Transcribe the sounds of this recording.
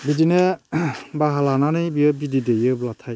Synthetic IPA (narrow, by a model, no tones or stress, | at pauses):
bidinɛ | baɦalananɯjbiəbididejɯblatʰaj